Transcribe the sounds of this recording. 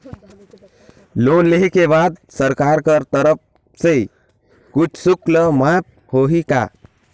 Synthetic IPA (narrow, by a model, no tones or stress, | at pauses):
lonleɦkebad̪səɾkaɾkəɾt̪əɾəp̚ | se | kut͡ʃʰsukləmap̚ | hoɦika̰